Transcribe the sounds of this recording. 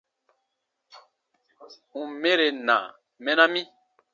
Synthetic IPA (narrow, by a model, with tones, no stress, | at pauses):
ŋũ˨mẽ˦ɾe˨nã̰˨ | mɛ̃˦nã˦mĩ˦